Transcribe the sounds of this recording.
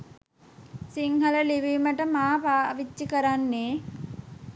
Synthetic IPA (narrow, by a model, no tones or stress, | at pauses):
siŋhələliʋiːməʈəmaːpaːʋit͡ʃːikəɾanːeː